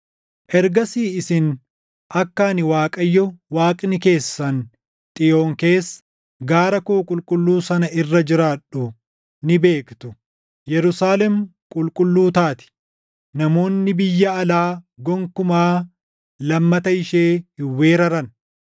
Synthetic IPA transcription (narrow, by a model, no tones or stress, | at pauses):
ʔɛɾɡɐsiːɪsɪn | ʔɐkːaːnɪwaːkʼɐjːɔwaːkʼnɪke̞ːsːɐn | t̪ʼɪjo̞ːŋke̞ːsː | ɡaːɾɐkoːkʼʊlkʼʊlːuːsɐnɐɪrːɐd͡ʒɪɾaːᶑʊ | nɪbe̞ːkt̪ʊ | jɛɾʊsaːlɛmkʼʊlkʼʊlːuːt̪aːt̪ɪ̥ | nɐmo̞ːnːɪbɪjːɐɐlaːɡɔŋkʊmaː | lɐmːɐt̪ɐɪʃe̞ːhɪwːe̞ːɾɐɾɐn